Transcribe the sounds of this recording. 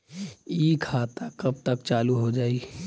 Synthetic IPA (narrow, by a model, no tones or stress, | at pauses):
iːkʰaːt̪akəb̚t̪əkt͡ʃaːluɦod͡ʒaːi